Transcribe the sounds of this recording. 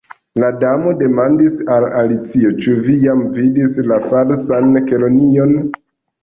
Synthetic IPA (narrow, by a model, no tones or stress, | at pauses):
ladamo̞de̞mandisalalit͡sio̞t͡ʃuvijamvidislafalsankelo̞nio̞n